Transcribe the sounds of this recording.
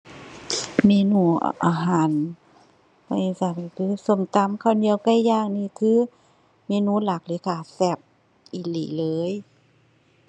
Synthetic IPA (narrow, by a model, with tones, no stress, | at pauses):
meː˧˨nṵː˧˩ʔa̰ː˧˩ɦaː˨˦n | pa˧˨i˧sa˧˩pa˧˩kʰɯː˧˥˦so˧˦˨mt̪a˧˦˨mkʰa˧˨di˧˨ə˨wka˧˨jjaː˧˩˨ŋ̚niː˧˨kʰɯː˧˥˨ | meː˧˨nuː˧˨la˨˩k̚le˧˦kʰaː˧˩sɛ˧˩p̚ | ʔiː˧˩liː˧˨˦lɤː˨˧˦j